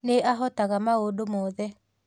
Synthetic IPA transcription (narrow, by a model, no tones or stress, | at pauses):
neʔaɦɔtaɣamaodomɔːðɛ